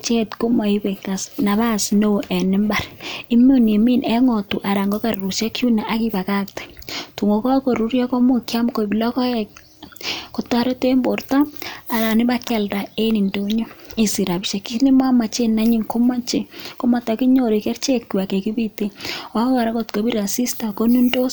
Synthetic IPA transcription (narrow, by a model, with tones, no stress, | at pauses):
t͡ʃe˦tko˦mɔ˨i˦be˨ka˨sna˨βa˦sno˦˨ʔɛ˨nɪ˦mba˨ɾi˦mo˦ne˨mi˦nɛ˦ŋɔ˨tu˨ʔa˨ɾa˨ŋɡɔ˦ka˨ru˨ʃɛ˦ku˦na˨ʔa˦ki˦ba˨ka˦ktɛ̥˨tu˨ŋo˨kɔ˦ko˨ɾu˦ɾjɔ˦kɔ˦mo˦kja˦mko˨bi˨lɔ˦kɔ˦ɛ˨ | ko˨ta˦ɾe˦te˦mbo˨rta˦a˨ɾa˨nɪ˦ba˦kɛ˨lda˨e˦ni˨ndo˦ɲo˦i˨si˨ɾa˨bi˨ʃe˨ki˦ni˦ma˦ma˨t͡ʃe˦na˦ɲi˦ŋko˦ma˦t͡ʃe˨ko˦ma˨ta˨ki˦ɲo˨ɾi˨kɛ˦rt͡ʃe˦kːi˨wa˨ke˨ki˦bi˦te˦ɔ˦ka˨ɾa˦ko˨tko˨bi˦ɾa˨si˦sta˨ko˦ni˦ndo˦s